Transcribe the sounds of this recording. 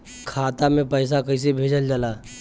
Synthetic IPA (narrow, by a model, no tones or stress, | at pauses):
kʰaːt̪amẽpəjs̬akəis̬ebʱeːd͡ʒəld͡ʒalaː